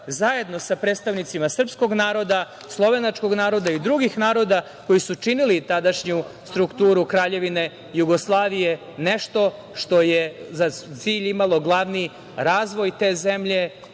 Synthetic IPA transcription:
zaje̞d̪no̞sapɾeːt̪st̪aʋnit̪simasr̩psko̞ɡnaːɾo̞d̪a | slˠo̞ʋe̞nat͡ʂko̞ɡnaːɾo̞d̪aid̪ɾuɡixnaːɾo̞d̪a | ko̞jisut͡ʂinilit̪ad̪aʂɲust̪ɾukt̪uːɾukɾaːʎe̞ʋine̞ | juɡo̞slˠaːʋije̞ | neʃt̪o̞ | ʃt̪o̞jezat̪siːʎimalˠo̞ɡlˠaʋni | ɾaːzʋo̞jt̪e̞ːze̞mʎe̞

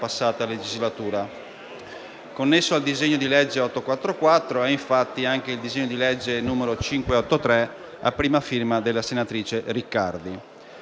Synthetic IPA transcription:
pasːaːt̪aled͡ʒizlat̪uːɾa | konːesːoald̪izeɲːod̪ilɛd͡ʒːeɔt̪ːokwat̪ːɾokwat̪ːɾoɛiɱfat̪ːiaŋk̟eild̪izeɲːod̪ilɛd͡ʒːenuːmeɾot͡ʃiŋkweɔt̪ːot̪ɾɛ | a̰pːɾiːmafirmad̪elːasenat̪ɾiːt͡ʃerikːard̪i

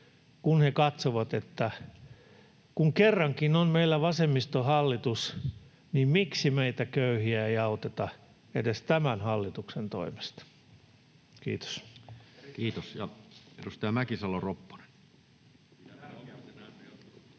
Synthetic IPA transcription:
kunhekɑt̪soʋɑt̪et̪ːæ | kuŋkerːɑŋkinonmeilːæʋɑsemːist̪ohɑlːit̪us | nimmiksimeit̪ækøyhiæeiɑut̪et̪ɑ | ḛdest̪æmænhɑlːit̪uksent̪o̰ime̥st̪ɑ̥ | kḭːt̪o̥s | kiːt̪osjɑedust̪eɑmækisɑloropːo̥ne̥n

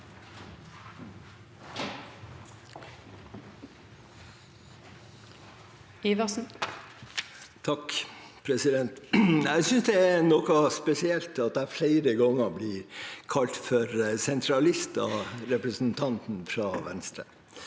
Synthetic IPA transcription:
iʋɑsn̩ | t̪ʰɑk | pʰɾɛsɪd̪ɛnt̪æɪsʏnsd̪ɛænɔkɑspɛsɪɛlt̪ɑt̪̚d̪æfleɪɾəɡɔŋːəbliːɾkʰɑlt̪fɔɾsɛnt̪ʰɾɑlɪst̪ɑ̰ɾɛpɾəsn̩t̪ʰɑnt̪n̩fɾɑʋɛ̰nst̪ɾə̰

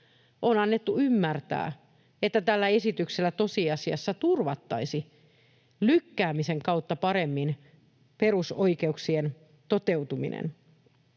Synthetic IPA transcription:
ʔoːnɑnːet̪ːuymːært̪æ̰ː | et̪ːæt̪ælːæesit̪ykselːæt̪o̞siɑsiɑ̰sːɑt̪urʋɑt̪ːɑisi | lykːæːmiseŋkɑut̪ːɑpɑɾemːin | perusoikeuksien | t̪ot̪ewt̪umḭnʔḛn

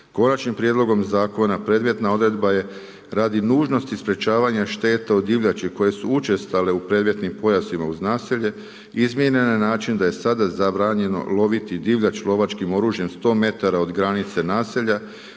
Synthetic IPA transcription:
ko̞nat͡ʃnimpɾje̞d̪lˠo̞ɡo̞mzaːko̞napɾe̞d̪mjet̪nao̞d̪ɾe̞d̪baje̞ | ɾad̪inuːʒno̞st̪ispɾe̞t͡ʃaːʋaɲaʃt̪e̞ːt̪aod̪iʋʎat͡ʃiko̞je̞suut͡ʃe̞st̪ale̞upɾe̞ːd̪ʋje̞t̪nimpo̞jasimauznaːsiʎe̞ | izmjeɲennaːt͡ʃind̪aje̞sad̪azabɾaːɲe̞no̞̰lo̞ʋit̪id̪iʋʎat͡ʃlˠo̞ʋat͡ʃkimo̞ɾuːʒje̞mst̪o̞ːme̞t̪aɾao̞d̪ɡɾanit̪se̞naːseʎa

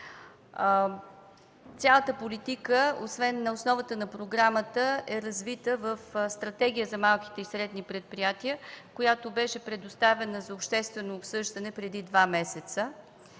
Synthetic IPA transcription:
t̪sʲjalˠət̪əpolit̪ikəosvɛnːɐosnɔvət̪ənɐpɾoɡɾamət̪əɛɾɐzvit̪əvəfst̪ɾɐt̪ɛɡ̟ʲijəzɐmalˠki̥t̪ɛisɾɛd̪nipɾɛt̪̚pɾijat̪iəkojat̪obɛʃɛpɾɛd̪ost̪avɛnəzɐopʃt̪ɛst̪vɛnoːpsɤʒd̪ɐnɛpɾɛd̪id̪vamɛsɛt̪sə

